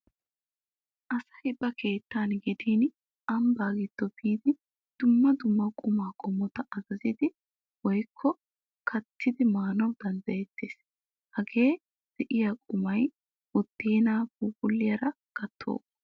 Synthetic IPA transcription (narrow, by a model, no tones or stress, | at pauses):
ʔɐsɐ̥hɪbʼːɐkʰe̞ːt̪ːaːnɡɪd̪iːn | ɐmbaːɡɪt̪ːɔbiːd̪ɪ | d̪̥ʊmːɐd̪ʊmːɐkʼʊmaːkʼɔmɔt̪ɐʔɐzɐzɪd̪ɪ | wɔjkʰːɔ | kʰɐt̪ʰːɪd̪ɪmaːnɔwd̪ɐnd̪ɐjɛt̪ʰːeːs | hɐɡe̞ː | d̪̥ɛʔɪjakʼʊmɐj | wɔd̪̥ːeːnaːɡuːɡʼʊlːɪjɐɾɐ | ɡ̥ɐt̪ʰːo̰ːkː